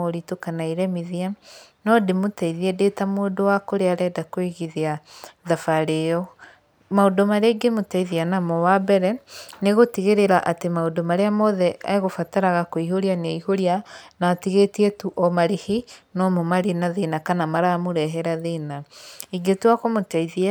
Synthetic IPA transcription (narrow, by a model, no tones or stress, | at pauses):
ɔɾitokanaiɾɛmiðianɔdemotaiðiɛdetamoːdowakoɾeaɾɛːdakweɣiðeaðafaɾejɔ | maodomaɾeɡemotaiðianamɔwabɛɾɛneɣotiɣeɾeɾaʔatemaodomaɾeamɔðɛa̰eɣofataɾaɣakoihoɾianeiɦoɾianaːtiɣetiɛtuʔɔmaɾehinɔmomaɾenaðenakanamaɾaːmoɾɛɦɛɾaðenaiɡetuakomotaiðia